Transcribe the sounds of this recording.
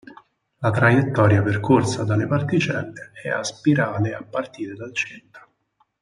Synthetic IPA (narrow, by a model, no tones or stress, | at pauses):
lat̪ɾajet̪ːɔːɾjaperkʰorsad̪alepart̪it͡ʃɛnːeɛaspiɾaːleapːart̪iːɾed̪alt͡ʃint̪ḁ